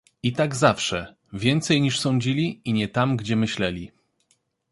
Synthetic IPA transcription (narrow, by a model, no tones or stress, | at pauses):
it̪aɡzafʂɛ | vʲjɛnt̪sɛjɲiʂsɔ̃ɲd͡ʑilʲiiɲɛt̪amɡd͡ʑɛmɘɕlɛlʲi